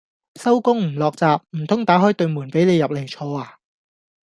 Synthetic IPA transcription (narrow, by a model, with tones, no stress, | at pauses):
sɐ˥wkʊ˥ŋm̩˨˩lɔː˨k̚t͡saː˨p̚m̩˨˩t̪ʰʊ˥ŋt̪aː˨˥ɦɔː˥jt̪ɵ˧ɥmuː˨˩npe˨˥jne˨˧jːɐ˨p̚le˨˩t͡ʃʰɔː˧aː˧